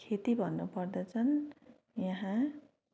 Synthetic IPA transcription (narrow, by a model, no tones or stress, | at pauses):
kʰet̪ibʱʌnːupʌrd̪ʌt͡sʰʌn | jãɦã